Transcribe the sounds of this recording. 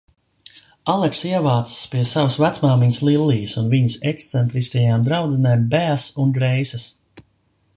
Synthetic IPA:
alˠɛksiɛvaːt̪sspiɛsavasvæt̪smaːmiɲslˠilˠːiːsunviɲisɛkst̪sɛnt̪ɾiskajaːmd̪ɾawd̪zɛneːmbæːsund̪ɾɛjsɐs

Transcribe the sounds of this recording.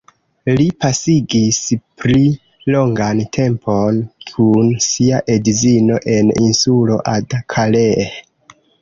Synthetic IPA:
lipasiɡispɾi | lo̞ŋɡantʰe̞mpʰo̞nkʰunsiaʔedizino̞ʔe̞ninsulo̞ʔadakʰalee

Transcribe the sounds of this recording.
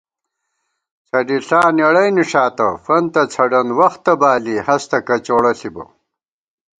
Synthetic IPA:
t͡sʰɐɖiɬaːnɐɽɐjniʂaːt̪ɐ̰fɐnt̪ɐt͡sʰɐɖɐnwɐxt̪ːɐbaːlihɐst̪ɐkɐt͡ɕoːɽɐɬibɐ̰

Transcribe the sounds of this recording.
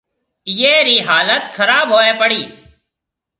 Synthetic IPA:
jeːɾiːɦaːlət̪xəɾaːbɦoːeːpəɽiː

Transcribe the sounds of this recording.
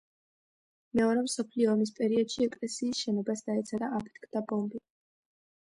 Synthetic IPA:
mɛɔɾɛmsɔpʰliɔːmis̬pʼɛɾiɔd̪̥ʃiɛkʼlɛsiːsʃɛnɔbasd̪aɛt̪sʰaɾaapʰɛ̥t̪ʰkʰd̪abɔmbi

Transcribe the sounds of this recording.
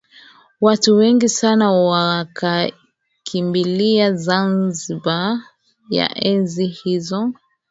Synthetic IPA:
watuwɛŋɡisanawakʰa | kʰimbiliazanziba | ja̰ʔɛnzihizɔ

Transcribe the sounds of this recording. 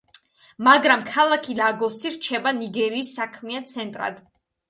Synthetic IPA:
maɡɾamkʰalˠakʰilaɡɔsiɾt͡ʃʰɛbaniɡɛɾiːsːakʰmiant̪sʰɛnt̪ʼɾa̰d̪̥

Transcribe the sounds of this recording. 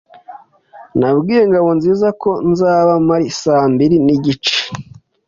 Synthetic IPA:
nabɡiːje̞ŋɡaβo̞nziːzako̞nzaːβamaɾisaːmbiɾiniɟit͡ʃe̥

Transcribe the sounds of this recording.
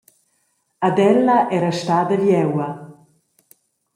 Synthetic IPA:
ad̪ɛlːaʔɛɾaʃt̪aːd̪əvjɛwɐ

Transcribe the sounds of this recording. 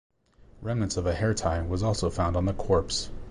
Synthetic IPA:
ɹɛ̃mnɨ̃nsʌvɨhɛɹtʰaɪwʌzɔlˠsoʊfãʊ̃ndn̩ðəkʰɔɹps

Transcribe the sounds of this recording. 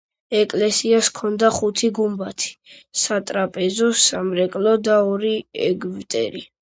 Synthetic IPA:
ɛkʼlɛsiaskʰɔnd̪aχut̪ʰiɡumbat̪ʰi̥sat̪ʼɾapʼɛzɔsamɾɛkʼlɔd̪aɔɾiɛ̰ɡvt̪ʼɛ̰ɾi

